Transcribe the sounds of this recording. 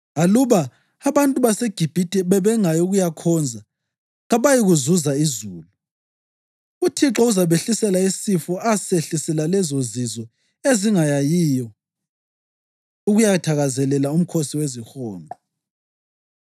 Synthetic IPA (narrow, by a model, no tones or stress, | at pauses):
aluβaː | βantʼuβaseɡ̥ʱib̥ʱitʼɛβɛβɛŋajɔuɣujakʰɔnd͡zʱa | ɣaβajiɣuzuzaizuːlu | utʰiǁɔuzaβeɬisɛlaisifɔaseɬisɛlalɛzozizɔ | eziŋajajiːjɔ | uɣujatʰaɣazɛlɛlaum̩kʰosiwezixɔːnʱɔ